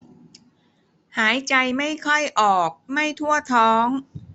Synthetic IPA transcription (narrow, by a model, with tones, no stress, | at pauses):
haː˩˦jt͡ɕa˧jma˥˩jkʰɔ˥˩jʔɔː˨˩k̚ma˥˩jt̪ʰu˥˩ɐt̪ʰɔː˦˥ŋ